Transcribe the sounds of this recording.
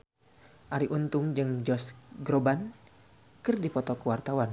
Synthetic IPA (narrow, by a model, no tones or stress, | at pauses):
ʔaɾiʔunt̪ʊŋd͡ʒɨŋd͡ʒɔsɡɾoban | kɨrdipɔt̪ɔkəwart̪awan